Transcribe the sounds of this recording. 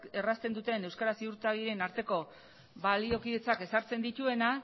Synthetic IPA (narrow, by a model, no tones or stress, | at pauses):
e̞rast̪e̞nd̪ut̪e̞ne̞wskaɾasiuɾt̪aɣiɾe̞naɾt̪e̞ko̞ | βalio̞kiðe̞t͡sake̞saɾt͡se̞nd̪it̪ue̞na